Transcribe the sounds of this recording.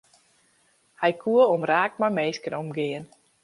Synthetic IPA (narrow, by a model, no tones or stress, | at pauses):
hɛjkʰuəomraːk̚tmajmeːskənomɡɪən